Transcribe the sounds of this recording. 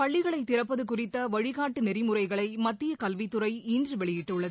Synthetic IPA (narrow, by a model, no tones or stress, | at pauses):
pɐɭːɪɣɐɭɐɪt̪ːɪɾɐpːɐðɯkʊrɪt̪ːɐʋɐɻɪɣaːʈːɯnɛɾɪmɯrɐɪɣɐɭɐɪmɐt̪ːɪjɐkɐlʋɪt̪ːɯɾɐɪiːndrɯʋɛɭɪjɪʈːɯɭːɐð